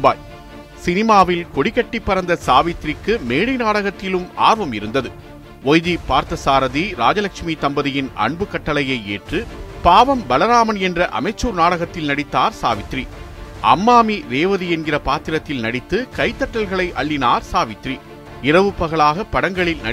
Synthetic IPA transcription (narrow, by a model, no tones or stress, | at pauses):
baːj | sɪnɪmaːʋɪlkɔɽɪkːɐʈːɪpːɐɾɐnd̪ɐsaːʋɪt̪ːrɪkːɯmeːɽɐɪnaːɽɐɣɐt̪ːɪlɯma̰ːɾʋɐmɪɾɯnd̪ɐðɯ | ɔjðipaːɾt̪ɐsaːɾɐðiɾaːd͡ʒɐlɐkʂmit̪ɐmbɐðɪjɪnɐ̰ɳbɯkɐʈːɐlɐjɐɪeːʈrɯpaːʋɐmbɐlɐɾaːmɐnɛndrɐʔɐ̰mɐɪt͡ʃːuːɾnaːɽɐɣɐt̪ːɪlnɐɽɪt̪ːaːɾsaːʋɪt̪ri | ʔɐ̰mːaːmiɾeːʋɐðiɛnɡɪrɐpaːt̪ːɪɾɐt̪ːɪlnɐɽɪt̪ːɯkɐɪt̪ːɐʈːɐlɣɐɭɐɪʔɐɭːɪnaːɾsaːʋɪt̪ri | ɪɾɐʋɯpːɐɣɐɭaːɣɐpːɐɽɐŋɡɐɭɪlnɐ̰